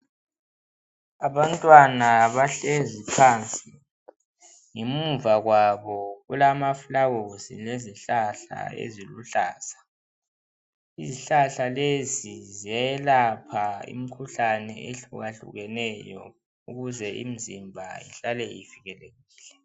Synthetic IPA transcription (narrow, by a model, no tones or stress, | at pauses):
aβantʼwanaβaɬezipʰant͡sʼi | ŋemuɱvaɣwaβɔɣulamafulaɣozḭleziɬaɬa̰ḛziluɬaːz̥a | iziɬaɬalezizijajɛlapʰaḭm̩kʰuɬanɛeɬṵɣaɬṵɣɛnɛjɔ̰ | uɣuzɛʔḭm̩zimbʱa̰ḭɬalɛifiɣɛleɣiːɬɛ